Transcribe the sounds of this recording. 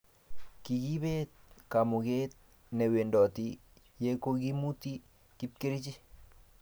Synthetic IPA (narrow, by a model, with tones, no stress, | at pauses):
ki˨ɡi˦bet̪̚ka˨mu˨ɡet̪̚ | nɛ˨we˨ndɔ˨t̪i | je˦ko˦ɡi˦mu˦t̪i˦ | ki˦p̚ki˦ɾi˦t͡ʃi˦